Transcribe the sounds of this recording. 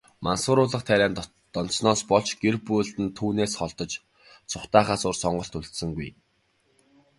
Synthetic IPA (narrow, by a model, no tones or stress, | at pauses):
mansʊːɾʊːɮə̆χt̪ʰæɾʲæːn | t̪ɔn̥snɔːspɔɮt͡ɕɡ̥erpujɮt̪ɘ̆nt̪ʰuːneːsχɔɮt̪ɞ̆t͡ɕ | t͡sʰʊχt̪aːχaːsʊːrsɔɴɢɞ̆ɬt̪uɮt̪sɘ̆ŋɡuj